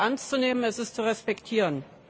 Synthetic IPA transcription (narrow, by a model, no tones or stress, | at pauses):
ʔɛɐnst͡suneːmənɛsɪstt͡suʁɛspɛktʰiːʁən